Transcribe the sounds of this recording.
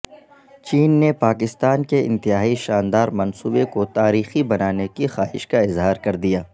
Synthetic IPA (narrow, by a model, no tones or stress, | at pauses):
t͡ʃiːnːepaːkɪst̪aːnkeɪ̰̃nt̪ɪɦaːiʃaːnd̪aːɾmɐnsuːbekot̪aːɾiːxibɐnaːnekixaːɦɪ̰ʃkaɪzɦaːɾkɐɾd̪ijaː